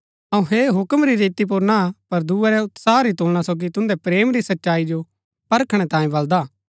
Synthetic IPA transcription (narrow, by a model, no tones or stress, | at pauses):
ɐũɦeɦʊkəmɾiɾeːt̪ip̬ʊɾnapɐɾd̪uɛɾɛʊt̪saːɾit̪oːlɽ̃asoːɡit̪ʊ̃nd̪ɛpɾeːmɾisɐtːʃaːid͡ʒo | pɐɾkʰɽ̃ɛt̪ãːjẽbɐld̪aː